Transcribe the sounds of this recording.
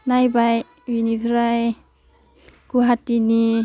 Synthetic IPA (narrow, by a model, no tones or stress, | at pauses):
najbaj | winifɾaj | kuɦat̪ini